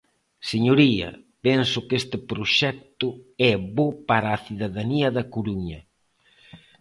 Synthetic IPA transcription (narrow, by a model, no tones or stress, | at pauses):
seɲoɾiɐ̰ | pɛnsʊkest̪ɪpɾoʃɛk̚t̪ʊɛβopaɾaːθiðaðaniɐðɐkoɾuɲɐ